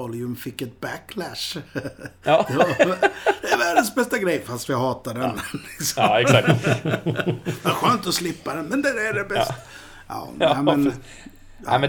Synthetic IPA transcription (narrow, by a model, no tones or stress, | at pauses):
ɔljɵmfɪkːɛt̪̚bækʰːlæʂ | d̪ɛ | d̪ɛvæːɖənsbɛst̪aɡɾɛjːfast̪vɪɦɑːt̪aɖɛnlɪksɔɛksak̪̚ | d̪ɛaɾɧøːnt̪ɔslɪpːad̪ɛnmɛnd̪ɛæɖɛbɛs | ɑ̰ːnæɪmɛn̰ | mɛ